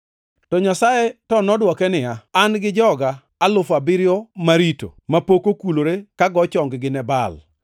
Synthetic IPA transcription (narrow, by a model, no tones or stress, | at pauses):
tɔɲasajetɔnɔdwɔkɛnɪjaːnɡɪd͡ʒɔɡaː | lʊfabɪɾjɔmaɾito̰mapokokuloɾekaɡɔt͡ʃɔŋɡɡɪnɛbal